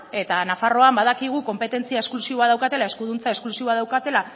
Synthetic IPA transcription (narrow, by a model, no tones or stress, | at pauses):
e̞t̪anafaro̞ambað̞akiɣ̞uko̞mpe̞t̪e̞nt͡siae̞sklusiβoað̞awkat̪e̞lae̞skuðunt͡saesklusiβo̞að̞awkat̪e̞la